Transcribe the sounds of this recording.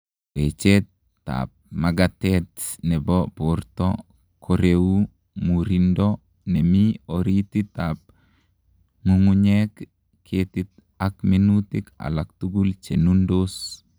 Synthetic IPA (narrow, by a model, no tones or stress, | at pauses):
wet͡ʃetː | a̰p̚maɡatɛtnɛbɔpoɾtɔ | kʰoɾeu | muɾindɔ | nɛmioɾitit̪ap̚ | ŋuŋuɲek | kʰetit̪̚ | akminutika̰lak̚tuɡult͡ʃenundos